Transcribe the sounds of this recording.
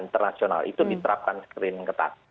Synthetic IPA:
int̪ərnasiona̰lʔḭt̪udit̪əɾap̚kanskɾɪmkət̪a̰t̪̚

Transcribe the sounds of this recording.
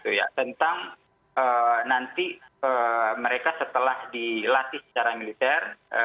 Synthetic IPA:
t̪uja̰t̪ənt̪aŋ | ənant̪iəməɾekasət̪əlahdilat̪isə̥t͡ʃaɾamilit̪ɛrə

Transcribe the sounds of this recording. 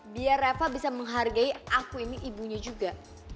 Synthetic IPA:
biaɾafabisaməŋɦarɡaiʔakuiniʔibuɲad͡ʒuɡa

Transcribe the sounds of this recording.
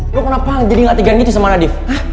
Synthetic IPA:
lokənapad͡ʒadiŋat̪iɡanɡit̪usamanadɪfah

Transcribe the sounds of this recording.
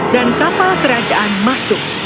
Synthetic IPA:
dankapalkəɾad͡ʒaʔanmasʊk̚

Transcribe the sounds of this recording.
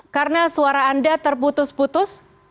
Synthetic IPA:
kaɾənasuaɾaːndat̪ərput̪ʊsput̪ʊs

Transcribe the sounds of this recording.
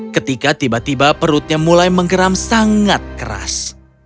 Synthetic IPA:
kət̪ikat̪ibat̪ibapəɾʊt̪̚ɲamulajməŋɡəɾamsaŋat̪̚kəɾa̰s

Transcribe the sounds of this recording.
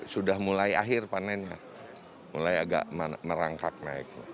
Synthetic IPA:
sudahmulaiaɦɪrpananja | mulajaɡa̰ʔmaməɾaŋkak̚naik̚ɲa

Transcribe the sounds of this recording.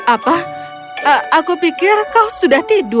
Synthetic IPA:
apa | əakupikɪrkasudaht̪idʊ

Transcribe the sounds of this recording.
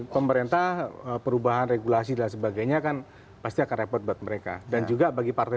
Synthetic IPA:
pəməɾent̪ahəpəɾubaɦanreɡulas̬idans̬əbaɡajɲakan | past̪iakanrepɔrt̪̚buat̪̚məɾeka̰dand͡ʒuɡabaɡipart̪a

